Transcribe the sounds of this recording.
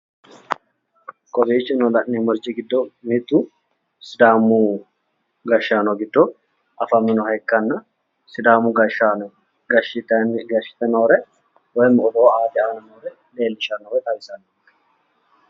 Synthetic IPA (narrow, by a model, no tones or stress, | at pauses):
kʼɔbiːt͡ʃːɪnɔlɐʔnɪmɔɾd͡ʒɪɡɪd̪ːɔmɪt̪ːu | sɪd̪aːmu | ɡɐʃːaːnɔɡɪd̪ːɔ | ʔɐfɐmːɪnɔhɐjkːɐnːɐ | sɪd̪aːmuɡɐʃanɔ | ɡɐʃɪt̪ɐnɡɐʃɪ̥t̪ɛnoːɾɛ | wɔjmɔboːaːd̪ɪaːnɐnoːɾɛ | le̞ːlːɪʃɐnoːɾɛt̪ʼɐbɪsɐn | ɐ̥